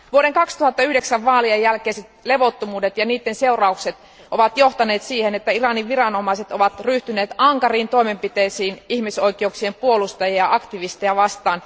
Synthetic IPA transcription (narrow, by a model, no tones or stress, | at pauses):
ʋuoɾeŋkɑkst̪uhɑt̪ːɑyhdeksæʋːɑːliejːælkeiset̪le̞ʋo̞t̪ːomuːdet̪jɑniːt̪ːense̞urɑukset̪ | ʔoʋɑt̪jo̞ht̪ɑneːt̪siːhenet̪ːæirɑniʋʋirɑnomɑise̞t̪oʋɑt̪ryht̪yneːt̪ɑŋkɑriːnt̪o̞imempit̪eisiːnihmiso̞jkˑeuksiempuolust̪ɑjiɑʔɑkt̪iʋist̪ejɑʋɑst̪ɑːn